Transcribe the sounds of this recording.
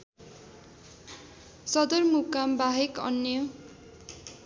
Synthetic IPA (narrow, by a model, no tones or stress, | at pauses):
sʌd̪ʌrmukambaɦekʌ̰njʌ